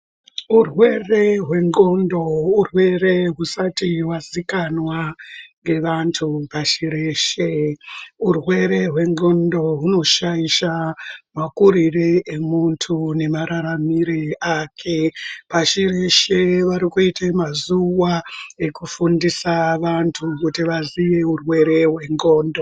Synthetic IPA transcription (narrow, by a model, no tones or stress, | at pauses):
urwe̞re̞ɦwe̞ŋɡondo̞urwe̞re̞ɦusatiwazikanwaŋɡe̞ʋantʰupaʃiɾeʃe | urwe̞ɾe̞ɦwe̞ŋɡo̞ndo̞ɦuno̞ʃaiʃamakuɾireʔemuntʰune̞maɾaɾamiɾeaːkʰepaʃiɾe̞ʃeʋaɾikuitemazuwae̞kufundisaʋantʰukutiʋazije̞urwe̞ɾe̞ɦwe̞ŋɡo̞ːndo̞